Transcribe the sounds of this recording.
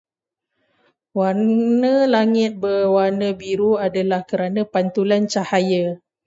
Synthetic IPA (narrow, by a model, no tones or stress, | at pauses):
wanə̃laŋɪt̪̚bərwanə̃biɾuadalahkəɾanãpant̪ulant͡ʃahaja